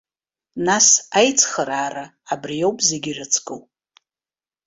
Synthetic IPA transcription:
nasajt͡sʰχəɾaːraːbrijo̞wpʼzeɡʲirɨt͡sʰkʼɨw

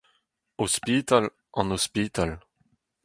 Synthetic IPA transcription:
ospit̪al | ɑ̃nɔspiːt̪al

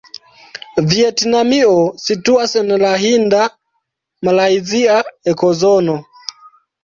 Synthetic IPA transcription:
vietnamiosituasenlaɦinda | malajziaekozono

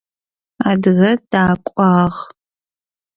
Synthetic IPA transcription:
aːdɨɣɐd̥aːkʷʼɑːʁ

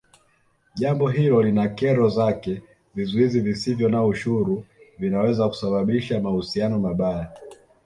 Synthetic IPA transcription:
ʄambɔɦilɔlinakɛɾɔzakɛ | vizuizivisivjɔnauʃuɾuvinawɛzaku̥saɓaɓiʃamahusianɔmaɓaja

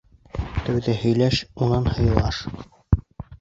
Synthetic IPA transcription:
t̪ɘ̆wðɘhɵ̆jlæʃunɑnhɤ̆jɤ̆lˠɑʃ

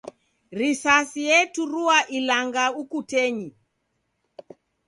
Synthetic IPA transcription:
ɾisasijɛtuɾuaʔilaŋɡaukutɛɲi

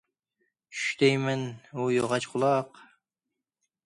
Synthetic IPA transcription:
t͡ʃʰy̥ʃt̪ɛjmɛnujoʁɑt͡ʃqʰʊlˠɑq

